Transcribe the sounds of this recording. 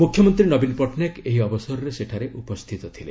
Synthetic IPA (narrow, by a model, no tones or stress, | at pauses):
mukʰjɔmɔnt̪ɾinɔbinpɔʈnjakeɦiɔbɔsɔɾɔɾeseʈʰaɾeʔupɔst̪ʰit̪ɔt̪ʰilḛ